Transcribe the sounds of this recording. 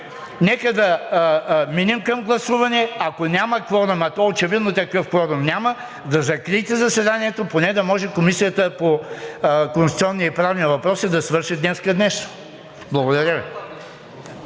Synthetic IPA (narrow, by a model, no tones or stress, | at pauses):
nɛkəd̪ɐ | minɛmkɐmɡlˠɐsuvɐnɛɐkonʲamɐkvɔɾɐmɐt̪oaot͡ʃɛvid̪not̪ɐkɤfkvɔɾɐmnʲamə | d̪ɐzɐkɾit̪ɛzɐsɛd̪aniɛt̪oponɛd̪ɐmɔʒɛkomisijət̪əpo | konsit̪siɔnːiipɾavniɐvɐpɾɔsid̪ɐsvɤɾʃid̪nɛskəd̪nɛʃno̥ | blˠɐɡod̪ɐɾʲjəvi